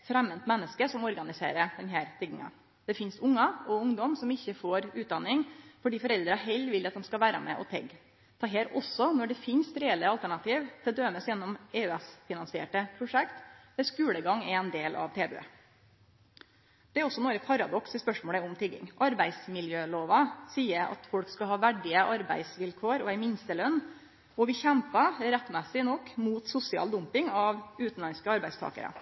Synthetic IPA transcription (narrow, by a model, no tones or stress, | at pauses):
fɾɛmːənt̪mɛnːəskəsɔmɔɾɡɑnɪsḛːɾəd̪ɛnɦæːɾt̪ʰɪɡɪŋɑ̰ | d̪̥ɛfɪnst̪ʊŋːɑɔʊŋd̪ɔmsɔmɪçːəfoːɾʉːt̪̚d̪ɑnːɪŋfɔɖiːfɔɾɛld̪ɾəɦɛlʋɪlːɑt̪̚d̪ɛmskɑʋæːɾɑ̰mɛ̰ʔɔ̰t̪ʰɛ̰ɡ | t̪ʰɑːɦeːɾɔsɔnɔɖɛfɪnst̪ɾɛɛlːəɑlt̪æɳɑt̪ʰiːʋt̪ʰɪld̪øːməsjɛnːɔmeːʉɛsfɪnɑnsɪḛːʈəpʰɾʊʂɛkt̪ʋɛskʉːɽəɡɑŋɛɛnd̪eːlʔɑ̰ʋt̪ʰeːbø̰ː | d̪̥ɛæɾɔsːɔnoːɾəpʰɑɾɑd̪ɔksəspœʂmoːɽəʊmt̪ʰɪɡːɪ̰ŋʔɑɾbæɪsmɪljøːloːʋɑsiːəɾɑ̰t̪fɔlkskɑɦɑːʋæɖɪəʔɑɾbæ̰ɪsʋɪlkʰoːɾɔæɪmɪnst̪əlœnː | ɔʋɪçɛmpɑɾɛt̪ːmɛsɪnɔkːmuːt̪sʊsɪɑ̰ːld̪ʊmpɪŋɑʋʉːt̪n̩lɑnskəɑɾbæɪst̪ʰɑ̰ːkə̰ɾə̰